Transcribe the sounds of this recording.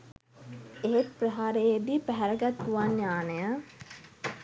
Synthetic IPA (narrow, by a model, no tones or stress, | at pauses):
eɦet̪̚prəɦaːɾejed̪ipæɦæɾəɡat̪kuʋanjaːnəjə